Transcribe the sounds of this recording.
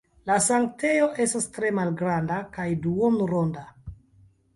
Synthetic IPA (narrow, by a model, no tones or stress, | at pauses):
lasaŋk̚te̞jo̞ʔe̞stastɾe̞malɡɾandakajduonuɾonda